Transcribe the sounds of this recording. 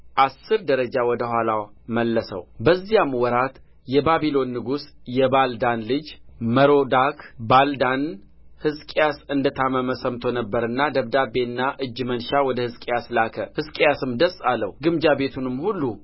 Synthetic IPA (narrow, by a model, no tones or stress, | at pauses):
ʔasːɨɾd̪əɾəd͡ʒawɔd̪əhʷalaməlːəsə̰wbəzːijamwɔɾat̪ | jɛbaβilo̞nːɨɡusjɛbald̪anlɨd͡ʒməɾo̞d̪akbald̪an | hɨzkʼjasɨnd̪ət̪ʰaməməsəmt̪ʰo̞nəbːəɾɨnːad̪əβd̪abe̞nːaʔɨd͡ʒːmənʃawɔd̪əhɨzkʼejaslakʰəhɨzkʼjasɨmd̪əsʼalːəwɡɨmd͡ʒabe̞t̪ʰunɨmːhulːu